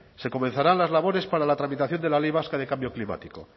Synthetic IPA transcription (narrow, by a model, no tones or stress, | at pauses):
se̞ko̞men̟θaɾanlazlaβo̞ɾe̞spaɾalat̪ɾamit̪aθjo̞nd̪elalejβ̞askaðe̞kambjo̞klima̰t̪iko̞̰